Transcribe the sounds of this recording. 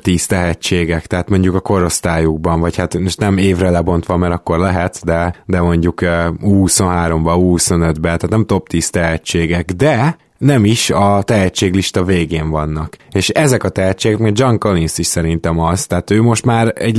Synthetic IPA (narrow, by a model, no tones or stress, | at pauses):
t̪iːst̪ɛɦɛt͡ʃːeːɡɛkt̪ɛɦaːt̪mo̞ɲɟukɒko̞ɾo̞st̪aːjuɡ̚bɒɱvɒchat̪moʃt̪nɛmeːvrɛlɛbo̞nt̪ʋɒmɛɾɒkːo̞rlɛɦɛt̪d̪ɛd̪ɛmo̞ɲɟukøuhuso̞nɦaːɾo̞mbɒuhuso̞nød̪bɛt̪aːt̪nɛmt̪o̞p̚t̪iːst̪ɛɦɛt͡ʃːeːɡɛɡd̪ɛ | nɛmiʃɒt̪ɛɦɛt͡ʃːeːɡliʃt̪ɒveːɡeːɱvɒnːɒkeːʃɛzɛkɒt̪ɛɦɛt͡ʃːeːɡɛkmeɡd͡ʒɒŋkolinsiʃsɛɾint̪ɛmɒz̥t̪ɛɦaːt̪øːmo̞ʃt̪maːɾɛɟ